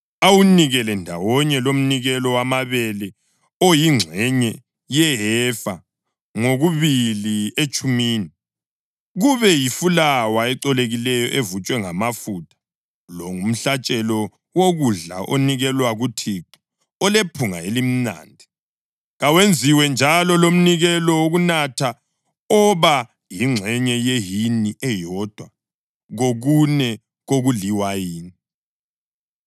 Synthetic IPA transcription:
awuniɣɛlɛndʱawɔɲɛlom̩niɣɛlɔwamaβɛlɛ | ojiŋ͡ǀʱɛɲɛ | jɛɦɛfa | ŋoɣuβiliet͡ʃʼumiːni | ɣuβɛjifulawaɛǃɔleɣilɛjɔʔevut͡ʃʼwɛŋamafutʰʼḁ | lɔŋum̩ɬat͡ʃʼɛlɔ | woɣuɮa̰ʔoniɣɛlwaɣutʰiǃi̥ | ɔlepʰuŋaelim̩na̰ːndʱi | ɣawend͡zʱiwɛnd͡ʒʱalɔlom̩niɣɛlɔwoɣunatʰa | ɔβa | jiŋ͡ǁʱɛɲɛjeɦiniʔɛjɔd̥ʱwa | ɣoɣunɛ | ɣoɣuliwajiːni

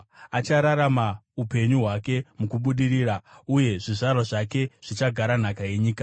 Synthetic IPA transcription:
at͡ʃaɾaɾamaupe̞ɲuɦwake̞mukuɓuɗiriːɾauje̞ʐiʐarwaʐake̞ʐ̥it͡ʃaɡʱaɾan̤akaje̞ɲiːkḁ

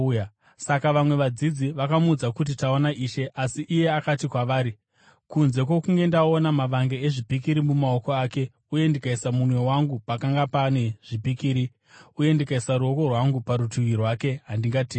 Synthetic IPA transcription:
sakaʋamwe̞ʋad͡zid͡ziʋakamuud͡zakut̬itaonaiːʃe̞ʔasiʔːje̞akatikwaʋaːɾi | kunze̞k̬wo̞kuŋɡe̞ndao̞namaʋaŋɡe̞eʐipikiɾimumao̞ko̞aːke̞ | uje̞ndikaisamunwe̞waŋɡupakaŋɡapaneʐ̥ipikiːɾi | uje̞ndikaisaɾuo̞ko̞rwaŋɡupaɾutuwirwake̞ɦandiŋɡatiː

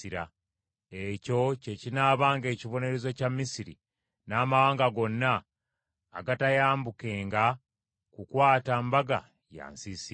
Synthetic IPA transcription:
iɾa̰ | eco̞ce̞cinaːβaːŋɡe̞ːciβo̞ne̞ɾe̞zo̞camːisiɾḭ | naːmawaːŋɡaɡo̞nːaː | ɡatajaːmbuke̞ːŋɡa | kukwaːtambaɡa̰ | ja̰ːnsisi

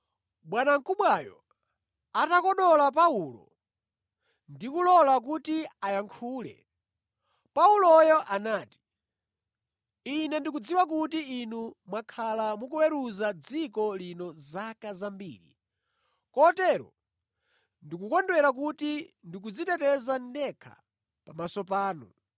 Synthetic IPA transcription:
ɓwanaŋkuɓwajɔ̰ | atakɔɗɔlap̬aulɔ̰ | ndikulɔlak̬utiajaŋkʰuːlɛ̰ | paulɔjɔʔanaːti̥ | inɛndik̬ud͡ziwak̬utiinumwakʰalamukuwɛɾuzad͡zikɔlinɔzakazambḭːɾḭ | kɔtɛɾɔ̰ | ndikukɔndwɛɾak̬utindik̬ud͡zitɛtɛzandɛkʰa̰ | pamasɔp̬aːnṵ

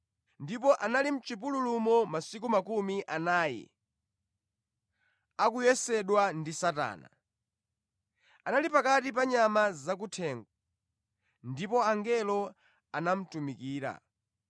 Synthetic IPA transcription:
ndipɔʔanalim̩t͡ʃip̬ululumɔmasik̬umakumiʔanaːjḭ | akujɛsɛɗwandisata̰ːna̰ | analipakatipaɲamazak̬utʰɛːŋɡɔ | ndipɔaŋɡɛlɔ | anam̩tumikiːɾa̰

